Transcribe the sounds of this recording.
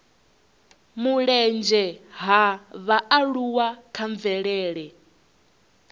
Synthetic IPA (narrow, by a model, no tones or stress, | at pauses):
muɺɛnd͡ʒɛɦaβaaɺuwakʰaɱvɛɺɛːɺɛ